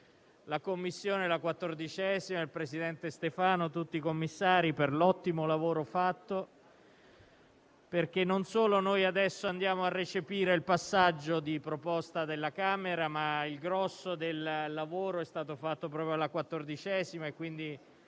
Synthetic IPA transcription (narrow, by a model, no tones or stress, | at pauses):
lakomːisːjoːnelakwat̪ːord̪it͡ʃɛzimailpɾesid̪ɛnt̪est̪efaːnot̪ut̪ːiːkomːisːaːɾiperlɔt̪ːimolavoːɾofat̪ːo | perk̟enːonsoːlonojad̪ɛsːoand̪jaːmoarːet͡ʃepiːɾeilpasːad͡ʒːod̪ipɾopɔst̪ad̪elːakaːmeɾamailɡɾɔsːod̪ellːavoːɾoɛst̪aːt̪ofat̪ːopɾɔːpɾjolakwat̪ːord̪it͡ʃɛzimaekwind̪i